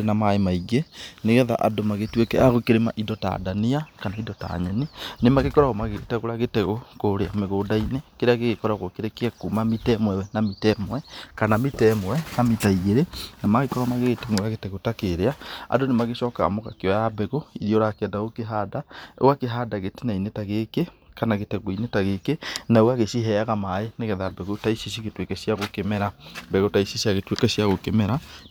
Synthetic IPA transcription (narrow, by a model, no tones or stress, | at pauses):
enamaemaiɣeneɣɛða̰ʔadomaɣetwekɛaɣokeɾema̰ʔidɔta̰daniakanaidɔta̰ɲɛninemaɣekɔɾaɣomaɣetɛɣoɾaɣetɛɣokoɾeameɣoːdainekeɾeaɣeɣekɔɾaɣokeɾekeakumamitɛmwɛwɛnamitɛmwɛkanamitɛmwɛnamitaiɣeɾenamaɣekɔɾamaɣeɣetemoɣaɣetɛɣotakeɾeaa̰donemaɣeʃɔːka̰moɣa̰keɔjabɛɣoiɾioɾakɛdaokeɦadaoakeɦaːdaɣetenainetaɣekekanaɣetɛɣoinetaɣekenaoaɣesiɦɛaɣamaeneɣɛðabɛɣotaisisiɣetwekɛsjaɣokemɛɾabɛɣotaisisjaɣetwekɛsjaɣokemɛɾa